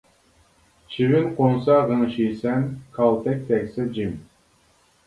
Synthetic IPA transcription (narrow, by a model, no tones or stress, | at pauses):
t͡ʃʰivɪnqʰonsɑʁəŋʃijsɛnkʰɑlˠt̪ʰɛk̚ʲt̪ʰɛkʲsɪd͡ʒim